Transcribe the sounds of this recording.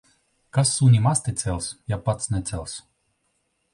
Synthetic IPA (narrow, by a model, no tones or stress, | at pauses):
kasːuːnʲimast̪ʲɛt̪sʲɛlʲˠsjapat̪snʲɛt̪sʲɛlˠs